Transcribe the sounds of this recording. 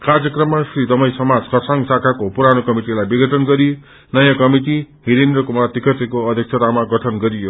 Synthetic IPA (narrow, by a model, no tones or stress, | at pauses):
kard͡zjʌkrʌmːasrid̪ʌmʌjsʌmad͡zkʰʌsʰaŋɡsakʰakopuɾanokʌmiʈilajbiɡʌʈʰʌnɡʌɾi | nʌjãkʌmiʈi | ɦiɾend̪rʌkumat̪ikʰʌt̪ekoʌd̪ʱjʌk̚t͡sʰʌt̪amaɡʌʈʰʌnɡʌɾijo